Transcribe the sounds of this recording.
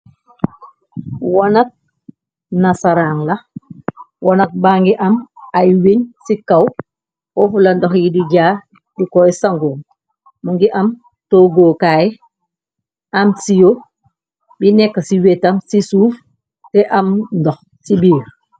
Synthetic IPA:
wɔnɐk̚ | nasaɾaŋlɐ | wɔnɐk̚baːŋɡiʔɐmajweɲsikɐw | kɔfulɐndɔxjidiɟaː | dikɔjsaŋɡoːŋ | muŋɡiʔɐm | toɡoːkaːjɛ | amsijo | binɛkːasiwetɐmsisuːf | tɛʔɐmndɔx | sibiːɾ

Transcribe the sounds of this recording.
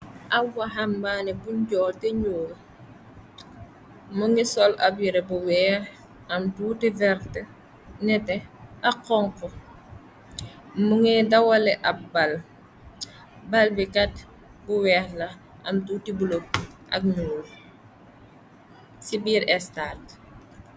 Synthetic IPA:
ʔawaɦambaːnɛbuɲɟɔːltɛɲuːl | muŋisɔla̰bjiɾebuwɛːh | ɐmtutivɛɾtə | nɛtɛaqɔŋkɔ | muŋɛdɐwɐlɛʔɐp̚bal | balbikɐt | buwɛːhlɐ | ɐmtuːtibulop̚ʔɐ̰k̚ɲuːl | sibiːɾɛstat

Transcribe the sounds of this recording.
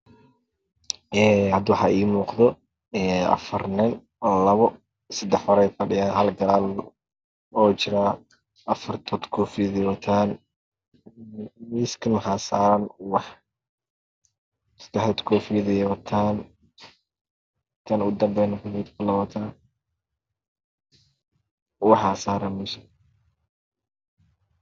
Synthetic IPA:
ɛːhɐd̪wɑħɑːʔiːmuːqðɔ | ɛːʔɐ̰fɐrnɪn | lɐβɔ | sɐd̪ɛħwɑɾɛjfɐɖɪjaːnɦɐlɡɐlaːl | ɔːt͡ʃɪɾaː | ʔɐfɐrt̪ʰɔd̪kʰɔːfɪjɐðɛwɐt̪ʰaːn | miːskʰɐnɦasaːɾɐnwɑħ | d̪ɛħɛt̪kʰɔːfijðɪjwɐt̪ʰaːn | t̪ʰɐnʊd̪ɐmbɛnɐkʊniːd̪kʰʊlɐwɐt̪ʰaːn | wɑħsaːɾɐmɛsɐ̥

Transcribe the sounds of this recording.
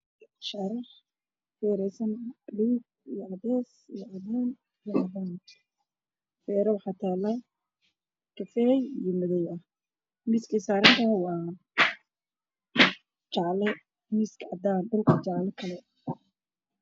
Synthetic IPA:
ʃɑɾɪħ | wɛːɾɛjsɐnliːb̚ | ijɔʔɑðɛːsijɔʔɐðaːn | ijɔʔɐðan | fɛːɾɐwħɑt̪ʰaːlɐ | kʰɐfɛːjijɞmʊðɛjɐh | miskʰisaːɾɐnt̪ʰɐwɑː | t͡ʃɑʕlɛ | mɪskʰɑ̰d̪aːnɖɐlkʰɐt͡ʃɑʕlɛkʰɐlɛ

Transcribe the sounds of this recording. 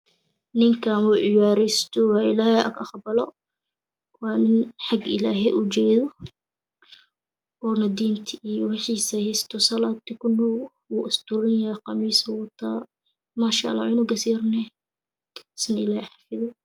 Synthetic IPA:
nɪŋkʰaːmuːʕɪjaːɾɛjst̪ʰɔwɑːɪlaːhɛʔɐ̰ɡɑχbɐlɔ | wɑːnɪnħɑɡɪ̰laːɦɛjʔʊd͡ʒɛːðɔ | ɔːnɐd̪iːnt̪ʰɪʔijɔwɪħiːsɐhɛjst̪ʰɔsɐlaːd̪ikʰʊnɔ | wuːʔɪst̪ʊɾɪnjaːqɑmiːswɔt̪ʰaː | maːʃɑ̰ʔlːɑ̰wɪnʊɡɐsirnɛ | sɪnɪlaːhɛħɑ̥fɪðɔ

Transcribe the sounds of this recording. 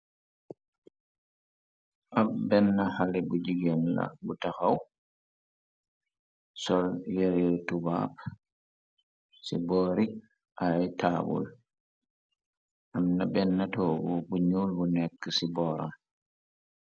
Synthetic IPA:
ʔabbɛnːahalɛbud͡ʒiɡɛnla̰butaxaw | sɔljɛɾɔtuba̰ːp | sibɔːɾi | ʔajtʰabṵl | ʔamnabɛnːatɔːbubuɲuːlbunɛkːəsibɔɾa̰m

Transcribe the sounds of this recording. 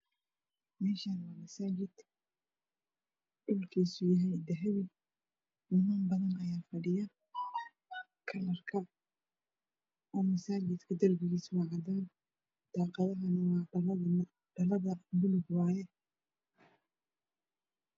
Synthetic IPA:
mɛːʃanwɑːmɐsaːd͡ʒɪd̪̥ | ʔʊlkʰiːsʊjɐɦɛjd̪ɐɦɛwɪ | nɪmaːnbɐðɐnɐjaːfɐɖɪjɐ | kʰɐlɐrkʰɐ | ʔɔːmɐsaːd͡ʒɪd̪kʰɐd̪ɐrbɪɣiːswɑʕɑd̪aːn | d̪̥aːqɑðɐɦɐnɐwɑːɖɐlɐðɐn | ɖ̥ɐlɐðɐmʊlɪɡwɑːjɛ

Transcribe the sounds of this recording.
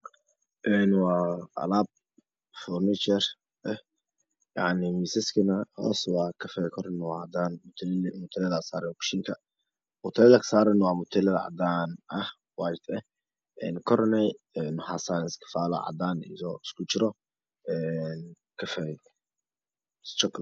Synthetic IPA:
ʔɛːnwɑːʔɐ̰laːb̚ | fɔrnɪt͡ʃɛr | ʔɛh | jɑ̰ʕnɪmisɛskʰɐnɐhɔːswɑːkʰɐfɛjkʰɔɾnwɑːʕɑd̪aːnmʊt̪ʰmʊt̪ʰɪlɐðasaːɾɛkʃɪŋkʰɐ | mʊt̪ʰɛlɐðɐkʰɐ̥saːɾɛnwɑːmʊt̪ʰɛlɐðɐʕɑ̰d̪aːnʔɐh | wajd̪ɛ | ʔɛːnkʰɔɾnɛ | ɛnħasaːnɪsk̪ʰɪ̥faːlɐ̰ʕɑ̰d̪aːnḭjɔɪskʰʊt͡ʃɪɾɔ | ʔɛːn | kʰɐfɛ | st͡ʃɔkl

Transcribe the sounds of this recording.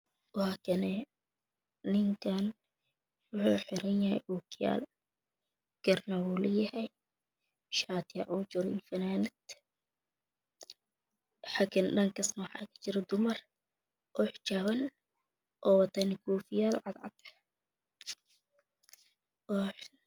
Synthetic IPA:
whakɐnɛ | ɪŋkʰaːn | wʊħuːħɪɾɐnjɐhɛ̰jʔuːkʰɪja̰ːl | ɡ̥ɐrnawuːlɐjɐhɛj | ʃaːt̪ʰɪjaʕuːt͡ʃɔɾfɐnaːnɪd̪ | ħakʰɪnɗɐŋkɐsnɐwħɑ̰ːkʰɐ̥t͡ʃɪɾɐd̪ʊmɐr | ʔɔːħt͡ʃaːwɐn | ʔɔːwɐt̪ʰɐnɪkʰuːfɪjaːlʕɑd̪ʕɑ̰d̪ | ɔħ

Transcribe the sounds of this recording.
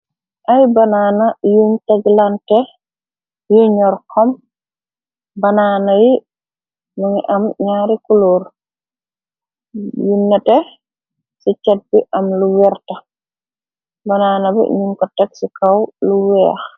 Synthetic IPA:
ʔajbanaːnɐjumtaɡlantɛ | juɲɔɾkʰɔm | bɐnaːnɐji | nuŋiʔɐmɲaːɾikuluːɾ | junnɐtɛ | sit͡ʃɛt̚biʔɐmluwɛɾtɐ | bɐnaːnɐbḭɲumkɔtɛksikawluwɛːx

